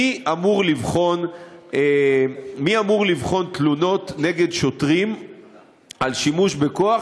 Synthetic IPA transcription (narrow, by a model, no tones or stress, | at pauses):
iamuʁlivχo̞ne | miamuʁlivχo̞nt̪luno̞tne̞ɡe̞dʃotʁim | alʃimuʃbekoaχ